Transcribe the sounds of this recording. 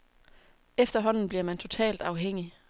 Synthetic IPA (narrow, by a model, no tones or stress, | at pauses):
efd̥ɐɦɒ̽n̰n̩b̥liɐmænt͡sʰo̝t͡sʰɛ̰ːld̥ɑ̈ʊɦeŋ̰i